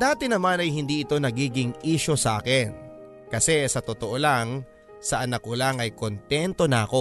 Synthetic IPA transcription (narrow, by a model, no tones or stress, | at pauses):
d̪aːt̪ɪnɐmanɐjɦɪnd̪iːʔɪt̪o̞nɐɡiːɡɪŋʔiːʃo̞sɐʔa̰ːkɛn | kɐsɛsɐt̪ot̪oʔo̞laŋ | sɐʔɐnɐkolaŋɐjko̞nt̪ɛnt̪o̞nɐɐko̞